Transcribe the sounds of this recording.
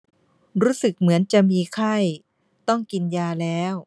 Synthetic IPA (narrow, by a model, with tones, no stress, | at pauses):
ɾuː˦˥sɯ˨˩k̚mɯ˩˦ənt͡ɕa˨˩ʔmiː˧kʰa˥˩j | t̪ɔ˥˩ŋki˧njaː˧lɛː˦˥w